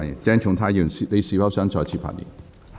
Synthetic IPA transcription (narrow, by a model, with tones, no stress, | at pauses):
jḭ˨˩nt͡sɛː˥ŋt͡ʃʰʊ˨˥ŋt̪ʰaː˥jiː˨˩˨i˨˧le˨˧siː˧˥fɐ˨˥wsœː˥ŋt͡sɔː˧jt͡sʰiː˧˩pfa̰˧˩jḭ˨˩n